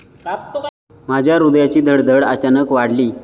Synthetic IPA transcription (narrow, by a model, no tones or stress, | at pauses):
mad͡ʑʱjaɾud̪jat͡ɕiːd̪ʱəɽd̪ʱəɽat͡ɕanəkʋaɽliː